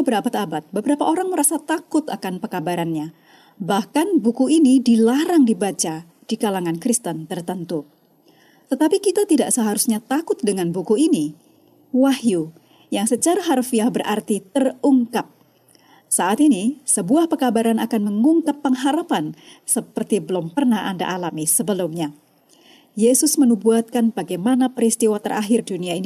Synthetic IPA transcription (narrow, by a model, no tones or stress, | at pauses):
bəɾabat̪abat̪̚bəbəɾapaʔoɾaŋməɾasat̪akʊt̪akanpəkabaɾanɲa | bahkanbukuinidilaɾaŋdibat͡ʃa | d̥ikalaŋankɾist̪ənt̪ərt̪ənt̪u | t̪ət̪apikit̪at̪idaʔsəɦaɾusɲat̪akʊt̪̚dəŋanbukuini | wahju | jaŋsət͡ʃaɾaɦarfiahbərʔart̪it̪əruŋkap̚ | saʔat̪inisəbuahpəkabaɾanakanməŋuŋkapːəŋɦaɾapansəpərt̪ibəlʊmpərnaha̰nda̰ʔalamisəbəlʊmɲa | jesʊsmənubuat̪̚kanbaɡajmanapəɾist̪iwat̪ərʔa̰ɦɪrduniain